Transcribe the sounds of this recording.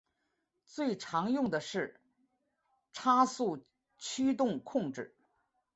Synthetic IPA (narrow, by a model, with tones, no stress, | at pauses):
t͡swe˥˩ɪʈ͡ʂʰɑ˧˥ŋjʊ˥˩ŋd̪ə˩ʂɻ̩˥˩ | ʈ͡ʂʰa˥su˥˩ | t͡ɕʰy˥t̪ʊ˥˧ŋkʰʊ˥˧ŋʈ͡ʂɻ̩˥˩